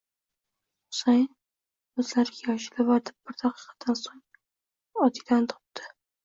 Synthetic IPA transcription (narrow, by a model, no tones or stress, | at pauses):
saj | ɵzlaɾɪɡʲajɒʃɪlɪvaɾd̪ɪb̚bɪɾt̪ʰaqʰɨ̥qʰɑ̥d̪̥ansoŋ | ɒt̪ʰɪd̪ant̪ʰɒ̥p̚d̪ɪ̥